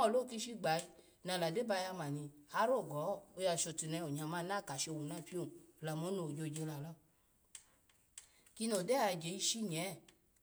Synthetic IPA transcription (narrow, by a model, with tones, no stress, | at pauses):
ɔ˦˨lo˦˨ki˦˧˦ʃi˦˨ɡ͡ba˨˦i˦ | nã˧˨la˨de˨˦ba˧ja˧mã˨nĩ˧ha˧˦ɾo˦˨ɡɔ˨˦o˧ja˧˨ʃo˧˨ti˨nɛ̃˧o˨ɲ˨ã˨˧˨mã˦nã˦˨ka˨ʃe˧o˧wu˨nã˦˨˦pi˦o˦˨la˨mo˨˦no˧˨d͡ʒo˧˨d͡ʒe˧la˨lɔ˦ | ki˧no˨dɛ˦a˧˨d͡ʒe˨˦i˧ʃi˦ɲɛ̃˨˦˨